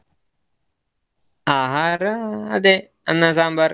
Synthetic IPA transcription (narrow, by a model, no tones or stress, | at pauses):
aːɦaɾad̪e | ə̰nãsãːmbəɾ